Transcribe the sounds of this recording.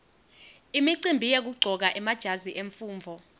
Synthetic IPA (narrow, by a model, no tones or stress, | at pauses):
imiǀimbʱijek̬uɡ͡ǀʱɔk̬aʔɛmad̥ʒ̥ʱaziʔeɱfuːɱvʱɔ